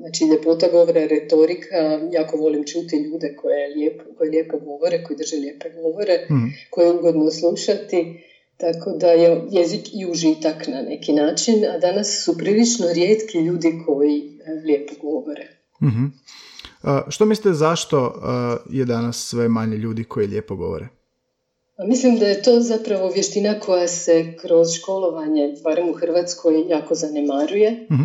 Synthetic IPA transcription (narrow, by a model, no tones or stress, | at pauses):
znat͡ʃid̪epot̪aɡo̞ʋoɾaɾet̪o̞ɾikʰajaːkoʋo̞limt͡ʃuːt̪iʎuːd̪e̞ko̞jeljepkojelʲje̞poɡo̞ʋo̞ɾeko̞jid̪r̩ʒelje̞pe̞ɡo̞ʋo̞ɾe̞ko̞jiuɡod̪noslˠuʃat̪i | t̪akʰo̞d̪ajejezikiuʒit̪aknane̞kinaːt͡ʃinad̪anasːupɾilit͡ʃnoɾjeːt̪kiʎuːd̪ikʰo̞jilʲje̞poɡo̞ʋoɾe | m̩ɦ̩ | ʃt̪omislit̪ezaʃt̪ojed̪anasːʋe̞maɲeʎuːd̪ikʰo̞jiljeːpoɡo̞̰ʋo̰ɾe | pamislimd̪aje̞t̪o̞ːzapɾaʋo̞ʋje̞ʃt̪inakʰo̞jase̞kɾo̞zʃko̞lˠo̞ʋaɲe̞baːɾe̞muxr̩ʋaːt̪skʰo̞jjaːko̞zane̞maɾuje̞